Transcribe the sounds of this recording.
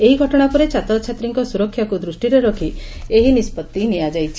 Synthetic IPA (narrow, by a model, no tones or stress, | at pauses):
eɦiɡʱɔʈɔɽ̃apɔɾet͡ʃat̪ɔt͡ʃʰat̪ɾiŋkɔsuɾɔkʰːjakud̪ɾusʈiɾeɾɔkʰieɦinispɔt̪ːinijad͡ʒajt͡ʃʰi̥